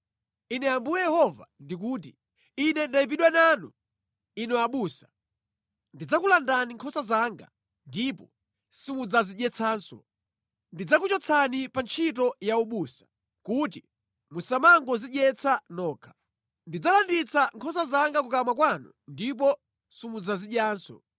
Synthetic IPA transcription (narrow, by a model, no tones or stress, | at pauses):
inɛambujɛjɛhɔva̰ndik̬uːt̬i | inɛndaip̬iɗwɛnaːnṵ | inɔaɓuːsḁ | ndid͡zakulandaniŋkʰɔsazaːŋɡa̰ | ndipɔ | simud͡zaziɗɛt͡sʰaːnsɔ̰ | ndid͡zakut͡ʃɔt͡sʰanipant͡ʃʰit̬ɔjauɓusḁ | kut̬i | musamaŋɡɔziɗjɛt͡sʰanɔːkʰḁ | ndid͡zalandit͡sʰaŋkʰɔsazaŋɡakukamwakwanṵ | ndip̬ɔ | simud͡zaziɗjaːnsɔ̰